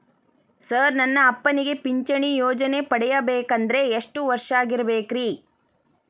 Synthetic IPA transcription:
sɐɾnɐnːɐːpːɐniɡe̞piɲt͡ʃɐɳijoːd͡ʒɐnepɐɽɛjɐbeːkɐnd̪ɐɾe̞ːʂʈuʋɐɾʂaːɡiɾɐbeːkɾiː

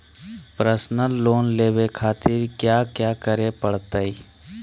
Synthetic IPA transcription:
pɾəsnəlːoːnleːʋekʰaːt̪ɪɾkjaːkjaːkəɾepəɽ̤t̪əi

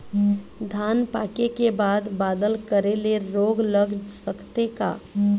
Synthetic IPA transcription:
d̪ʱanpakekebaːd̪bad̪əlkəɾeleɾoɡləɡsəkt̪eka̰

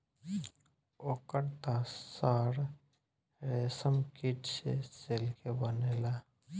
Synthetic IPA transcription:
okəɽt̪asaːɾ | ɾeːsəmkiʈsḛselkebəneːla

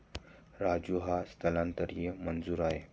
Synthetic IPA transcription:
ɾad͡ʑuɦast̪ʰəlãnt̪əɾjemənd͡zuːɾaɦe

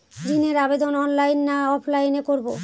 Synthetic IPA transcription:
d̪ineɾabed̪onɔnlajnːaɔpʰlajnekoɾbo

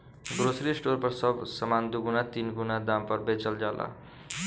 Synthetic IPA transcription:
ɡɾosɾisʈoɾpʌɾsʌbsʌmand̪uɡunat̪inɡunad̪ampʌɾbet͡ʃʌld͡ʒalʔa̰

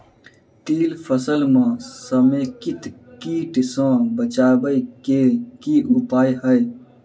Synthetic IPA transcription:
t̪iːlpʰəsəlmãːsəmẽːkɪt̪ʰkiːʈsãːbət͡ʃaːbəikekiʊpaːjɦəj

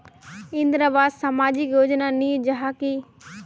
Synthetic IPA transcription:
ɪ̃nd̪ɾəbaːd̪sɐmaːd͡ʒikjoːd͡ʒnaniːd͡ʒɐɦaːkiː

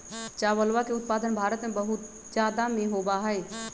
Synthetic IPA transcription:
t͡ʃaːwəlʋakeʊt̪̚paːd̪ənbʱaːɾət̪mẽbəɦʊt̪̚ | d͡ʒjaːd̪amẽɦobaɦɛɛ

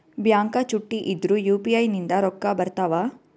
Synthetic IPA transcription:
bjaːŋkɐt͡ʃuʈːiʔid̪ɾujuːpiɐjnind̪ɐɾɔkːabɐɾt̪aːʋaː

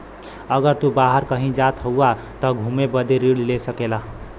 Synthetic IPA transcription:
əɡəɾt̪ubaɦəɾkəɦĩd͡ʒat̪ɦəua | t̪ʌɡʱumebəd̪eɾiɽlesəkela

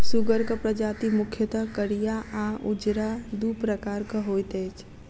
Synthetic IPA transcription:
sʊɡəɾkəpɾəd͡ʒaːt̪imʊkʰjət̪əkəɽijaʔaʊd͡ʒɾad̪uːpɾəkaːɾkəɦoːjt̪ɛːt͡ʃʰ

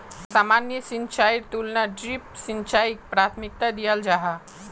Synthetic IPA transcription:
saːmanjəsint͡ʃajɾt̪ulnaɖɾipsint͡ʃaik̚pɾat̪ʰmik̚t̪ad̪ijəld͡ʒaɦa

